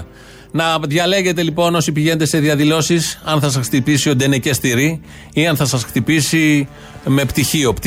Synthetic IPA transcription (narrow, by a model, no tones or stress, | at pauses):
nɐðʝɐle̞ʝe̞t̪e̞lipo̞no̞sipiʝe̞net̪ese̞ðiɐðilo̞sisɐnθɐs̬ɐsxt̪ipisio̞t̪enecest̪iɾi | iɐnθɐsɐsxt̪ipisi | me̞pt̪içio̞pt̪